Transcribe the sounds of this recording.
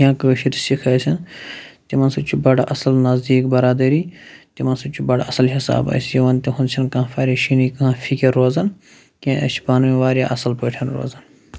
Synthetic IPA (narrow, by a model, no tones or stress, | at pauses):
jãːkəʃiɾsikʰɐːjsʲɐnt̪iʋɐnst͡ʃʰubɐɽʔɐsɐlnɐzd̪iːkbɐɾaːd̪ɐɾiːt̪iʋɐnsut͡ʃʰubɐɽɐsɐlɦisa̰ːbɐ̰ːsijɐʋɐnt̪iɦũnt͡ʃʲʰɐnkɐãfaːɾʲaʃiniːkɐɦãːfʰikʲɐɾːoːzɐn | kʲẽɐ̰ʃi̥bɐnmĩʋaːɾʲja̰ːʔɐsɐlpəːʈʰɐnɾo̰ːzɐn